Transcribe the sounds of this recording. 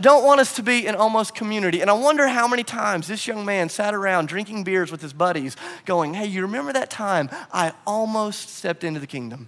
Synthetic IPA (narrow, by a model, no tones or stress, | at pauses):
dõʊ̃nʔwɑ̃ɾ̃ʌstʰɨbiɨ̃ñɔlˠmoʊskʰɨmjʉñɨɾiɨ̃ñaɪwʌ̃ndə˞ɦaʊmɛñitʰãɪ̃mzðɪsjʌ̃ŋmæ̃nsæɾə˞ãʊ̃ndɹɪ̃ŋkɪ̃ŋbɪɹdzwəð̥ɨzbʌɾiz̥ɡ̥oʊɪ̃ŋheɪjɨɹɨmɛ̃mbə˞ðɨtʰãɪ̃mʔa̰ɪɔlˠmoʊststɛp̚tɪ̃ntʉðɨkʰɪ̃ŋdɨ̃m